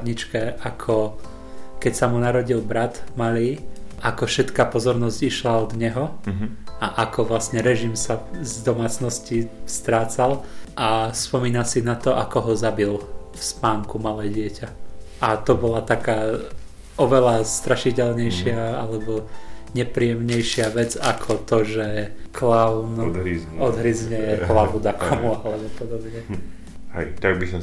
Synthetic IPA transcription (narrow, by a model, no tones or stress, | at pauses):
d̪ɲit͡ʃkɛʔakʰɔ | kɛcsamunaɾɔɟilbɾat̪maliːʔakɔfʃɛt̪kapɔzɔɾnɔzciʃlaɔd̪ɲɛɦɔ | aʔakɔʋlasɲɛɾɛʒimsazd̪ɔmaːt͡snɔscist̪ɾaːt͡salʔaspɔmiːnasinat̪ɔʔa̰kɔɦɔzabilfspaːŋkumalɛːɟɪɛcaʔat̪ɔbɔlat̪akaː | ɔʋɛlast̪ɾaʃicɛlɲɛjʃɪaalɛbɔɲɛpɾiːjɛmɲɛjʃɪaʋɛd͡zakʰɔt̪ɔʒɛklaʊnɔd̪ɦɾizɲɛjɛɦlaʋud̪akɔmualɛbɔpɔd̪ɔbɲɛ | hɛt̪aɡ̚bisa